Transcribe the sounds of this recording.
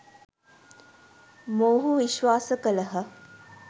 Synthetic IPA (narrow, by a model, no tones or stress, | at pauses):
moːɦuʋiʃʋaːsəkələɦə